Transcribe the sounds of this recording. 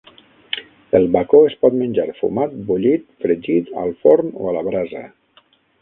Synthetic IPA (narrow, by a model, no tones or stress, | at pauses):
elˠβakoespɔt̪mənʲd͡ʒaɾfṵmat̪̚buʎit̪̚fɾəd͡ʒit̪a̰lˠfoɾmo̰alaβɾazə̰